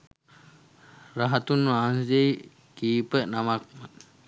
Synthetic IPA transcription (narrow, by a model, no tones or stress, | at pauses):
ɾaɦat̪unːuansd͡ʒej | kipəʔnamak̚ma